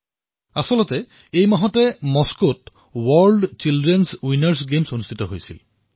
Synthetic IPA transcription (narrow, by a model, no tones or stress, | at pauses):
asɔlɔtɛ | ejmaɦɔtɛmɔskot | wɔɹlɖt͡ʃildɹɛnswinaɹsɡemsonustʰitɔɦojsḭl